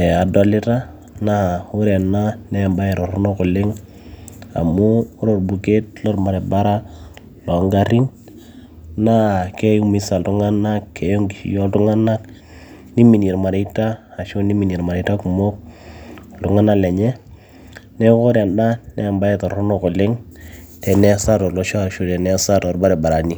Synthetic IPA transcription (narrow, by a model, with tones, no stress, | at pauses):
ɛ˨a˨do˨lɪ˦ta˦ | na˦˨u˦ɾe˨nːa˦nɛ˦˨mba˦e˨ɾɔ˨ɾo˦no˦ko˨lɪ˦ŋ | a̰˨muː˦ɾo˨ɾbu˨ke˦t̚lɔ˦ɾma˨ɾe˨ba˦ɾa˦ | lo˨˦ŋɡa˨ɾi˦ŋ | na˦ke˦ju˦mi˦sa˨ltu˦ŋa˦na˦kːe˨jo˦ŋɡi˨ʃḭ˨jo˦ltu˦ŋa˦na˦k | ni˦mi˨ni˨ɾma˨ɾi˨˦taː˦˨ʃo˦ni˦mi˨ni˨ɾma˨ɾi˨ta˦ku˨mo˦k̚ | ltu˨˦ŋa˦na˦le˨ɲe˦ | ne˦ko˦ɾa˨nda˦nḛ˦a˨mba˦je˦to˨ɾo˦no˦ko˨lɪ˦ŋ | tɛ˨nɛ˦sa˦ɾɔ˨lo˦ʃo˦˨ɾʃu˦tɛ˨nɛ˦sa˦to˨ɾba˦ɾe˨ba˨ɾa˨ni˦